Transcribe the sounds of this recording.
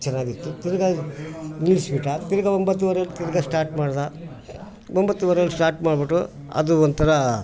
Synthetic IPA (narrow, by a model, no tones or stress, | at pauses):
t͡ʃɛnːaːɡit̪ːut̪iɾɐɡa | nilsbiʈat̪iɾɐɡɐombɐt̪ːuʋɐɾɐlːut̪iɾɐɡɐsʈaːɾʈmaːɽd̪a | ombɐt̪ːuʋɐɾɐlusʈaːɾʈmaːɽbiʈu | ɐ̰d̪uond̪t̪ʰɐɾɐ